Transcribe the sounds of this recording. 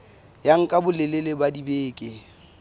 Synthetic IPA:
jaŋ̩kʼabʊlɪlɪlɪbadibeːkʼɪ

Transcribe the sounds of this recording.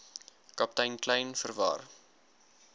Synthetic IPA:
kɐp̚tɐjnklɛjnfərvɑ̰ːr

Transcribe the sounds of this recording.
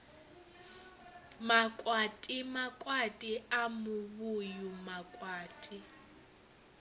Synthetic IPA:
makʼwatʼimakʼwatʼiamʊβujumakʼwaːtʼi

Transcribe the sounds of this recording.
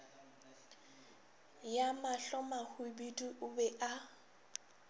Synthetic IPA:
jamaɬɔmahʊbidiʔʊbɛʔa

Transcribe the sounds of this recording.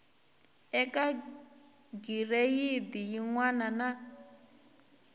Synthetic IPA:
ɛkʼa | ɡirejid̪ijiŋwanana

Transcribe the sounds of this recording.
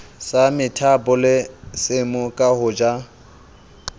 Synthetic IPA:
samɪtʰapʼʊlɪsɪmʊkʼahʊːd͡ʒa

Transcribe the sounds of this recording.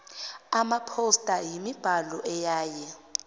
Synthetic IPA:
amapʰostʼajimib̥ʱalɔʔɛjaːjɛ

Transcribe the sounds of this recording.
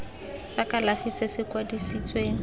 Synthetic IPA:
sakalafisɪsɪkwadisit͡sʼweːŋ̩

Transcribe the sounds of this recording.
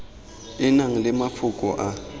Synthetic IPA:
ɪnaŋ̩lɪmafʊkʼɔʔa

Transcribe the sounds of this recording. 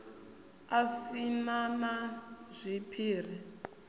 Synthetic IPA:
asinamaz̥ʷipʰiːr̤i

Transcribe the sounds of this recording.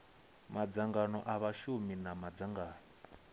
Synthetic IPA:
mad͡zaŋɡanɔ̰ʔaβaʃuminamad͡zaŋɡaːnɔ

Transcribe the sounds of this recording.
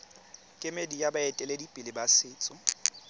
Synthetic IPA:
kʼɪmedijabaɛtʼɛledipʼilɪbasɪːt͡sʼɔ

